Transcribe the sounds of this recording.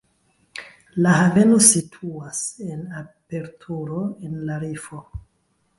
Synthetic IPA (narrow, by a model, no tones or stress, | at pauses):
lahave̞no̞sitʰuase̞nape̞ɾtʰuɾo̞e̞nlaɾifo̞